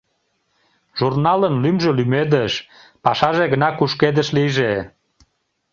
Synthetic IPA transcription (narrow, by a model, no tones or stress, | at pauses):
ʒurnɑlənlymʒelymed̪əʃ | pɑʃɑʒeɣənɑkuʃked̪əʃliʒe